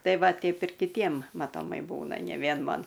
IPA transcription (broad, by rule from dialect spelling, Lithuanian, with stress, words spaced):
ˈtɐɪ ˈʋɐ ˈtʲɛɪp ɪr kʲɪˈtʲiɛm mɐtoːˈmɐɪ ˈbuːnɐ nʲɛ ˈʋʲiɛn ˈmɐn